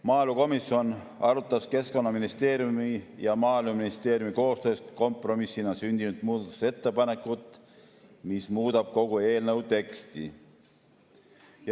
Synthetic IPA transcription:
mɑːluko̞misjo̞n | ɑɾut̪ːˑɑske̞sko̞nːɑminist̪e̞ːɾjumijɑmɑːluminist̪e̞ːɾjumiko̞ːst̪ø̞ːst̪ko̞mpˑro̞misːinɑsynʲd̪̥inud̪̥muːd̪ɑt̪u̥se̞t̪ːepɑne̞kːˑut̪ːˑ | mismuːd̪̥ɑb̥̚ko̞ɡ̥ue̞ːlnəwt̪e̞kst̪ḭ | j

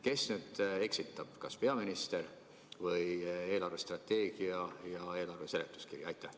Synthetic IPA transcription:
ke̞snyːd̪̥e̞ksit̪ːˑɑb̥kɑspe̞ɑminist̪e̞ɾ | vɯje̞ːlɑrve̞st̪rɑt̪ːˑe̞ːɡ̥iɑjɑe̞ːlɑrve̞se̞let̪ːˑu̥skirjɑjt̪ˑːæh

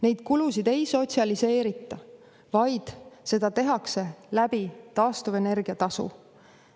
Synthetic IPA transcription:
ne̞jd̪̥̚kulusid̪e̞jso̞t̪ʲsiɑlise̞ːɾit̪ːˑɑ | vɑjd̪̥se̞d̪̥ɑt̪e̞ɦɑkse̞læb̥it̪ɑːst̪uve̞ne̞rɡ̥iɑt̪ɑsṵ

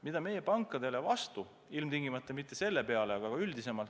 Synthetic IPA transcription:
mid̪̥ɑme̞jːe̞pɑŋkːˑɑd̪̥e̞le̞vɑst̪u | ilmt̪iŋɡimɑt̪ˑːɑmit̪ːe̞se̞lːe̞pe̞ɑleɑɡ̥ɑɡ̥ɑylʲd̪ise̞mɑlt̪

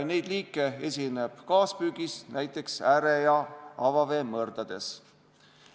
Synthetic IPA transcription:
ne̞jd̪liːkːˑee̞sʲine̞b̥kɑːspyːɡ̥isnæjt̪ːˑe̞ksæɾejɑɑvɑve̞ːmːɤrd̪̥ɑd̪̥e̞s

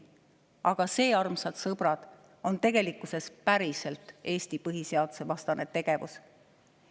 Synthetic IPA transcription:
ɑɡ̥ɑse̞ːɑrmsɑd̪̥sɤb̥rɑd̪̥ | o̞nt̪e̞ɡ̥e̞likːˑusespæɾise̞lt̪ˑe̞ːst̪ipɤɦise̞ɑd̪̥use̞vɑst̪ɑne̞t̪e̞ɡ̥e̞vṵs

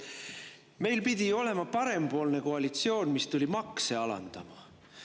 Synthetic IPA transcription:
me̞jlpid̪̥ʲio̞le̞mɑpɑɾe̞mpo̞ːlne̞ko̞ɑlit̪sio̞ːnmist̪ulʲimɑkse̞ɑlɑ̰nd̪̥ɑmɑ

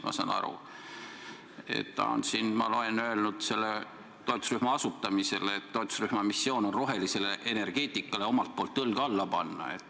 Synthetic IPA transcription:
mʔɑ̰sɑ̰ːnɑ̰ɾṵ | e̞̰t̪ːɑ̰o̰nsinmɑ̰lo̞lenøelnud̪̥se̞lːe | t̪o̞jt̪ˑu̥sryhmɑɑsut̪ːɑmise̞leːt̪ːo̞jt̪u̥sryhmɑmisːjo̞ːno̞nro̞ɦe̞lise̞leʔene̞rɡ̥e̞ːt̪ˑikːˑɑle̞o̞mɑlt̪̚poːlt̪ːɤlɡ̥ɑlːɑpɑnːɑ̰ḛt̪ˑː

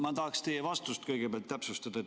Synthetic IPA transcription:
mɑt̪ɑhɑkst̪ejɑvɑst̪ust̪kɤjɡ̥epeɑlt̪ːæpsust̪ɑd̪̥ɑe

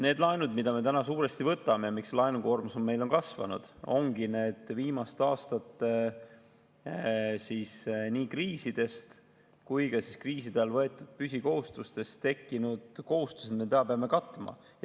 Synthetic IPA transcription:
ne̞ːd̪lɑenud̪mid̪̥ɑme̞t̪ænɑsuːɾe̞st̪ivɤt̪ːˑɑme̞jɑmikslɑenuko̞ːrmusomːe̞jlo̞nkɑsvɑ̰nṵd̪̥o̞̰ŋɡ̥ine̞ːd̪̥viːmɑst̪ɑːst̪ɑt̪ːˑ | sisniːkriːsid̪̥e̞st̪ | kujkɑsiskriːs̬id̪̥elvɤet̪ːˑud̪̥̚pysʲiko̞ɦust̪ust̪e̞st̪t̪e̞kːinud̪̥ko̞ɦust̪u̥sed̪miet̪eɑpeɑmːe̞kɑt̪ːˑmɑ̰

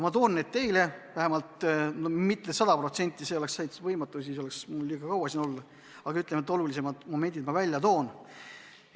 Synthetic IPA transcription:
mɑt̪o̞ːnːeːd̪̥̚t̪e̞jle̞væɦemɑlt̪nomit̪nesɑd̪ɑpro̞t̪se̞nʲt̪ʲːˑise̞o̞le̞ksɑjt̪vɤjmɑt̪ːˑusiso̞le̞ksmulːiːɡ̥ɑkɑwɑsino̞lːɑ | ɑɡ̥ɑyt̪lemet̪ːˑo̞lulise̞mɑd̪̥mo̞me̞nʲd̪̥id̪mɑvælʲjɑt̪o̞ːn

